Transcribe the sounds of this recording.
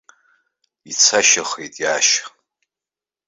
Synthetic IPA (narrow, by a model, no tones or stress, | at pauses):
it͡sʰaʃaχejtʼjaʃ